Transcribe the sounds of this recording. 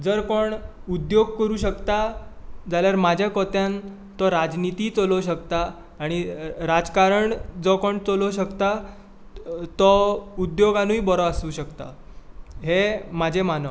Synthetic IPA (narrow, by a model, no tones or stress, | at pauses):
d͡zəɾkoɳud̪joɡ̚kəɾuːɕəkt̪ad͡zaljaɾmad͡ʑʱakɔt̪jãn | t̪ɔɾad͡znit̪iːt͡sɔloɕəkt̪aː | ɽ̃iɾad͡zkaɾəɳd͡zɔkoɳt͡sɔloɕəkt̪a | t̪ɔud̪joɡanũibɔɾɔasuːɕəkt̪a̰ | ɦemad͡ʑʱemanə